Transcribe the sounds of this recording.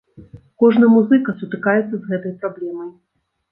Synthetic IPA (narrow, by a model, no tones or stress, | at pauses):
kɔʐnɐmuzɨkɐsut̪ɨkajɛt̪sːɐzɣɛt̪ɐjpɾablʲɛmɐj